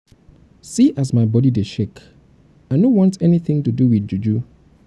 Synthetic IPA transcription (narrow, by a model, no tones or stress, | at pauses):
siʔasmaɪbɔdideʃek | aɪnõwɔ̃ntɛniθɪ̃ŋtuduwiθd͡ʒud͡ʒu